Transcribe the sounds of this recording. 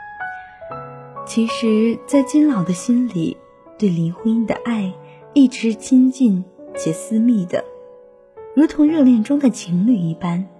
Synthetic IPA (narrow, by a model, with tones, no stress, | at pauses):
t͡ɕʰi˧˥ʂɻ̩˧˥t͡sa˥˩ɪt͡ɕi˥nlɑ˨˩ʊd̪ə˦ɕi˥nlḭ˨˩˦ | t̪we˥˩ɪli˧˥nxwu˥i˥˩d̪ə̰˨ʔa˥˧ɪ | i˥˩ʈ͡ʂɻ̩˧˥t͡ɕʰi˥nt͡ɕi˥˩nt͡ɕjɛ˨˩sɹ̩˥mi˥˩d̪ə̰˩ | ɻu˧˥t̪ʰʊ˧˥ŋɻɤ˥˧ljɛ˥˩nʈ͡ʂʊ˥ŋd̪ə˨t͡ɕʰi˧˥ŋly˥˧˩i˥˩pa˥n